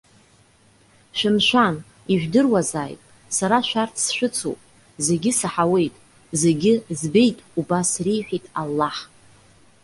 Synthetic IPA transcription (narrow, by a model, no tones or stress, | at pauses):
ʃʷᶣɪmʃʷᶣan | iʒᶣdɨrwazaːjpʼ | saɾaʃᶣartʰsʃʷᶣɨt͡sʰo̰pʼ | ze̞ɡʲɪsaħawe̞jtʼ | ze̞ɡʲɪzbe̞jtʼubasrijħʷᶣitʼalːaħ